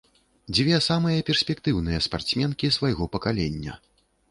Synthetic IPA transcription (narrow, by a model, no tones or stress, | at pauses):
d͡zʲvʲɛsamɨjɐpʲɛrsʲpʲɛk̚t̪ɨwnɨjɐspa̰rt̪smʲɛnkʲisvajɣɔpɐkalʲɛnʲːɐ̰